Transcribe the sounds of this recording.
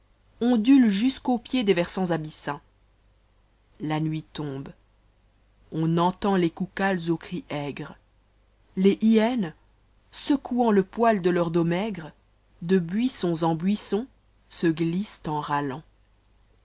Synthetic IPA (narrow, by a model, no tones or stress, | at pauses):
ɔ̃d̪ylʒyskopjed̪evɛʁsɑ̃zabisɛ̃ | lanɥit̪ɔ̃b | ɔ̃nɑ̃t̪ɑ̃lekukalzokχiʔɛɡʁ | leʔiɛn | səkʰuɑ̃ləpwald̪əlœʁd̪omɛɡʁ | d̪əbɥisɔ̃zɑ̃bɥisɔ̃ | səɡlist̪ɑ̃ʁalɑ̃